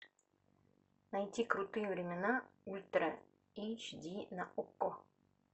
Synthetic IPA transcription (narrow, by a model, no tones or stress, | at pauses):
nɐjtʲikɾut̪ɨjəvɾʲɪmʲɪnaulʲt̪ɾə | it͡ʃd̪ʲinɐʔukːo